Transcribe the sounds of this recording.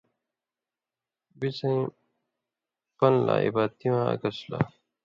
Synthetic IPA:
bisɐ̃ | pɐnla̰ːḭbaːt̪iwãːɐ̰kɐsla̰

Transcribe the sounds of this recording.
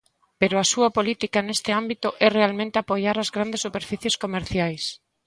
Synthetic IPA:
peɾoasuɐpolit̪ikanest̪ɪambit̪ʊʔɛrealmẽnt̪ɪapojaɾazɣɾand̪esupeɾfiθjeskomeɾθjajs

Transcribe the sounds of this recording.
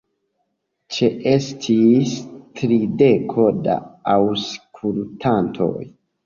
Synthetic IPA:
t͡ʃe̞ʔe̞stʰistɾide̞kʰo̞da̰awskʰultʰantʰo̞̰j

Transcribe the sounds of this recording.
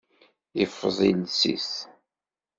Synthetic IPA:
ifːðˤilsḭθ

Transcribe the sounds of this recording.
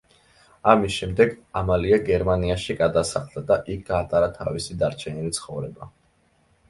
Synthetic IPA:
amisʃɛmd̪ɛɡamaliaɡɛɾmaniaʃiɡad̪asaχlˠd̪ad̪aʔik̚ʰɡ̥aːt̪ʼaɾat̪ʰavisid̪aɾt͡ʃʰɛnilit̪sʰχɔvɾɛba

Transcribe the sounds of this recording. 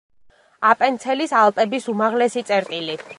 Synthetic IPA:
apʼɛnt̪sʰɛlisalˠt̪ʼɛbisumaʁlɛsit̪sʼɛɾt̪ʼili

